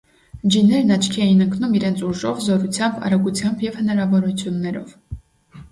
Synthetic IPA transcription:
d͡ʒinɛɾnɑt͡ʃʰkʰɛjinəŋkʰnumiɾɛnt͡sʰuʒɔvzɔɾut͡sʰjɑmbɑ̰ɾɑɡut͡sʰjɑmbjɛvhənɑɾɑvɔɾut͡sʰjunːɛɾɔ̰v̥

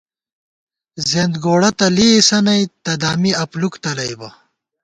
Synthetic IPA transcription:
zeːnd̪ɡoːɽɐt̪ɐliːsɐnɐjt̪ɐd̪aːmiɐplukt̪ɐlɐjbɐ

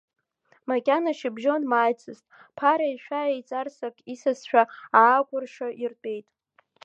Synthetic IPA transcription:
makʲʼanaʃɪbʒo̞nmaːjt͡sʰʼɨztʼ | pʰaɾaiʃᶣʷaejt͡sʼarsakʼisasʃᶣaaːkʷʼʊrʂaʔirtʼe̞jtʼ

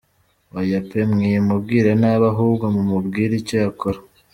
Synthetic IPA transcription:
wajapemŋijemubɡiːɾanaβaɦuːbɡomumubɡiːɾicojakʰoɾa

